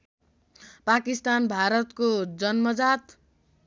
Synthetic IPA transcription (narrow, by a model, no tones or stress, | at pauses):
pakist̪anbʱaɾʌt̪kod͡zʌnmʌd͡zat̪